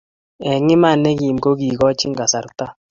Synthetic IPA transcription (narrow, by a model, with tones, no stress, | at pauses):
ɛ˨ŋɪ˦ma˦˨nɛ˦ki˨mko˦ɡi˨kɔ˦t͡ʃɪ˦ŋɡa˨sa˨ɾta˦